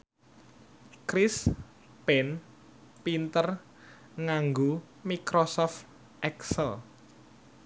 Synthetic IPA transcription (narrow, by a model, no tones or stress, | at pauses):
kɾɪs | pɛn | pint̪ər | ŋaŋɡo | mikɾosɔft̪ | ʔɛksəl